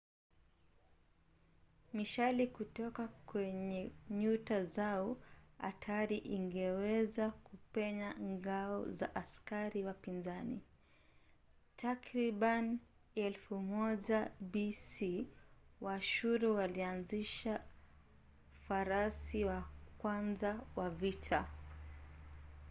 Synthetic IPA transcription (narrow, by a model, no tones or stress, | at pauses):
miʃalikutɔkakwɛɲɛɲutazaɔa̰tʰaɾiʔiŋɡɛwɛzakupɛɲaŋɡaɔ̰za̰ʔaskaɾiwapinzanḭ | tʰakɾiɓan | ɛlfumɔʄabisiwaʃuɾuwalianziʃa | faɾasiwakwanzawavitʰa